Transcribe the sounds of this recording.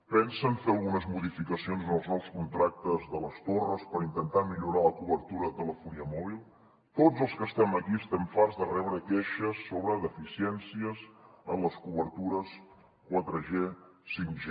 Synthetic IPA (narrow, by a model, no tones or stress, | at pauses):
pɛnsənfeəlˠɣunəzmuðifikəsionznəlˠznɔlˠskunt̪ɾak̚t̪əzðələst̪orəspəɾint̪ənt̪amiʎuɾaləkuβəɾt̪uɾəðət̪ələfuniəmɔβ̞ilˠ | t̪ozəlˠskəst̪ɛməkiəst̪ɛmfaɾzðərɛβɾəkeʃəsːoβɾəðəfisiɛnsiəzənləskuβəɾt̪uɾəs | kwat̪ɾəʒe | siŋkʒe